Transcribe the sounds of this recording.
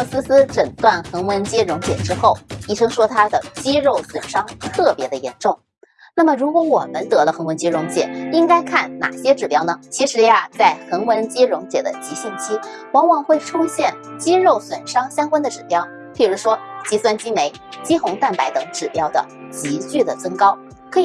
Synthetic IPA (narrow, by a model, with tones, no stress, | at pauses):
ɤ˥˧˩sɹ̩˥sɹ̩˥ʈ͡ʂə˨˩ŋt̪wa˥˩nxə˧˥ŋwə˧˥nt͡ɕjɛ˥ɻʊ˧˥ŋt͡ɕjɛ̰˨˩ʈ͡ʂɻ̩˥xo˥˩ʊi˥˩ʂɤ˥ŋʂwɔ˥t̪ʰa˥d̪ə˨t͡ɕi˥ɻo˥˩ʊswə˨˩nʂɑ˥ŋt̪ʰɤ˥˩pjɛ˧˥d̪ə˧jɛ̰˧˥nʈ͡ʂʊ˥˩ŋ | na˥˩mə˩ɻu˧˥kwɔ˧˥wɔ˨˩mə˦nt̪ɤ˧˥lə˧xŋwə˧˥nt͡ɕɛ˥ɻʊ˧˥ŋt͡ɕjɛ̰˨˩˦i˥ŋka˥ɪkʰa˥˩nna̰˨˩ɕjɛ˥ʈ͡ʂɻ̩˨˩pjɑ˥ʊnə˨t͡ɕʰi˧˥ʂɻ̩˧˥ja˧t͡sa˥˩ɪxə˧˥ŋwə˧˥nt͡ɕi˥ɻʊ˧˥ŋt͡ɕjɛ̰˨˩d̪ə̰˦t͡ɕi˧˥ɕi˥˩nt͡ɕʰi˥ | wɑ˧˥ŋwɑ˨˩ŋxwe˥˩ɪʈ͡ʂʰu˥ɕjɛ˥˩n | t͡ɕi˥ɻo˥˩ʊswə˨˩nʂɑ˥ŋɕjɑ˥ŋkwa˥nd̪ə˨ʈ͡ʂɻ̩˨˩pjɑ˥ʊ | pi˥˨˩ɻu˧˥ʂwɔ˥t͡ɕi˧˥swa˥˩nt͡ɕi˥me˧˥ɪt͡ɕi˥xʊ˧˥ŋt̪a˥˩npa˧˥ɪt̪ɤ˨˧˥ŋʈ͡ʂɻ̩˨˩pjɑ˧˥ʊd̪ə̰˧˩t͡ɕi˧˥t͡ɕy˥˩d̪ə˩t͡sə˥ŋkɑ˥ʊ | kʰɤ˧˥˧